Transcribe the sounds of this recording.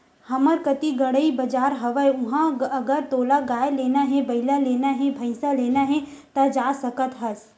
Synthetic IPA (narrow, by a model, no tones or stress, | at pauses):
hɐməɾkɐt̪iɡɐɽəibɐd͡ʒaːɾɦɐʋəeʊɦãɐɡəɾt̪oːlaɡaːjeleːnaɦɛ̃bɐɪlaleːnaɦɛ̃bʱɐ̃ɪsaleːnaɦɛt̪ɐd͡ʒaːsɐkət̪ɦɐs